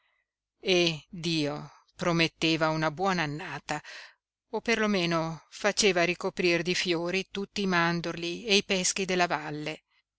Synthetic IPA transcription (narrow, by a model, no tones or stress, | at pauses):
ed̪iːo | pɾomet̪ːeːvaunabwɔːnaːnːaːt̪a | opːerlomeːnofat͡ʃeːvaɾikopɾird̪ifjoːɾit̪ut̪ːiːmand̪orlieipɛsk̟id̪elːavalːe